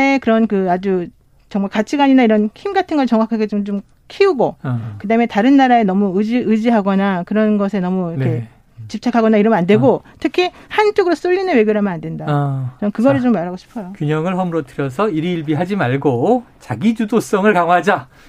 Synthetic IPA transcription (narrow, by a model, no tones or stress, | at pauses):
ekɯɾʌnkɯad͡ʑu | t͡ɕʌŋmaɭkat͡ɕʰiɡaɲinaiɾʌnkʰimɡatʰɯnɡʌɭt͡ɕʌŋwakʰaɡe̞t͡ɕomt͡ɕom | kʰiuɡokɯdaɯmetaɾɯnːaɾaenʌmuɯd͡ʑiɯd͡ʑiɦaɡʌnakɯɾʌnɡʌsʰe̞nʌmuikʰe | t͡ɕip̚t͡ɕʰakʰaɡʌnaiɾʌmʌnande̞ɡo | tʰɯkʰihant͡ɕ͈oɡɯɾos͈oʎːinɯnwe̞ɡjoɾɭɦamjʌnandwe̞ndat͡ɕʌmkɯɡʌɾɯɭt͡ɕomːaɾɦaɡoɕʰi̥pʰʌjokjuɲʌŋɯɭɦʌmɯɾotʰɯɾjʌs̬ʰʌiɾiːɭbiɦad͡ʑimaɭɡot͡ɕaɡid͡ʑudos͈ʌŋɯɭkaŋwad͡ʑa